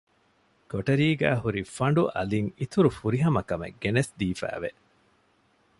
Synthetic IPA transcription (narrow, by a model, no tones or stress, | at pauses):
koʈɐɾiːɡæːɦuɾifɐɳ̆ɖuʔɐ̰liŋit̪uɾufuɾiɦɐmɐkɐmḛɡːenesd̪iːfæ̰ːʋe